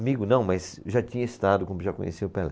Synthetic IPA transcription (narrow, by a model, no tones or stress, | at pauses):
miɡʊnɐ̃w̃mɐjzʒat͡ʃĩɲɐest̪ad̪ʊkõmʊʒakõ̰ɲḛsiʊpɛlɛ